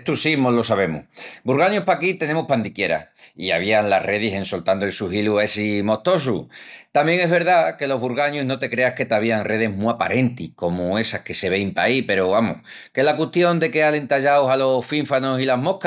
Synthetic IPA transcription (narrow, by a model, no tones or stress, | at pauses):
t̪usimolo̞saβe̞mṵbuɾɣaɲuhpakit̪e̞ne̞muhpand̪ikje̞ɾa̰ia̰β̞iaŋlare̞ð̞ise̞nso̞lt̪and̪oelsuɦiluesimo̞ht̪o̞s̬ut̪ambje̞ŋe̞ɦβ̞e̞ɾðake̞lo̞ɦβuɾɣaɲuɦno̞t̪e̞kɾe̞ahke̞t̪aβ̞iaŋrʔe̞ðe̞ɦmuapa̰ɾʔe̞nt̪ihko̞mue̞sahke̞se̞β̞e̞jmpa̰ipe̞ɾoβamohkelakweht̪jo̞nd̪e̞keale̞nt̪aʝawsalo̞sfiɱfanosilaɦmo̞hk